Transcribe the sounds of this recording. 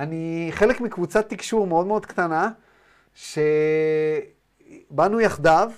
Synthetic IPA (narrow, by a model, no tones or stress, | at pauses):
aniχe̞lekmikvut͡sat̪ːikʃuʁmeo̞d̪meo̞d̪kt̪ana | ʃe | banujaχd̪av